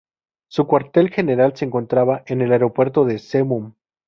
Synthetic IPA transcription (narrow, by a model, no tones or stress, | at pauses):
sukwaɾt̪e̞lxe̞ne̞ɾalse̞eːŋko̞nt̪ɾaβaʔe̞ne̞laeɾo̞pwe̞ɾt̪oðe̞semum